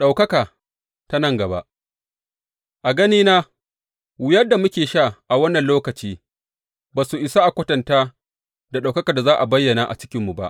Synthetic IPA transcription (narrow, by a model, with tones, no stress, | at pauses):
ɗa˨wkɐ˦kaː˨ | ta˦nɐ˦˨ŋɡɐ˨ba̰˦ʔ | ʔa˨ɡɐ˦niː˦naː˦ | wʊ˦jɐ˦da˨mʊ˦kʲeː˨ʃa˦˨ʔa˨wɐ˦nːɐ˨nloː˦kɐ˨t͡ʃiː˦ | baː˨su˨ʔɪ˨sa˦ʔa˨kʷɐ˦tɐ˨ntaː˦ | da˨ɗa˨wkɐ˦ka˨da˨zaː˦ʔa˨bɐ˦jːɐ˨naː˨ʔa̰˨t͡ʃɪ̥˦kʲɪ˦mːu˨ba̰˦ʔ